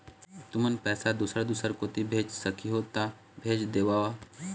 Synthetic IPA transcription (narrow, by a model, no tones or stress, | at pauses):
t̪ʊmənpɛːsad̪usɾad̪uːsəɾkot̪ibʱeːt͡ʃsəkʰiɦot̪a | bʱeːt͡ʃd̪eːʋaːʋa